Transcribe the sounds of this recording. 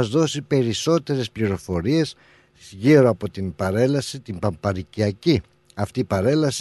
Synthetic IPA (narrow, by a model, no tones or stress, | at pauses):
ɐzðo̞sipe̞ɾiso̞t̪e̞ɾe̞spliɾo̞fo̞ɾie̞s | ʝiɾoɐpo̞t̪impɐɾe̞lɐsit̪imbɐmpɐɾiciɐci | ɐft̪iːpɐɾe̞lɐsi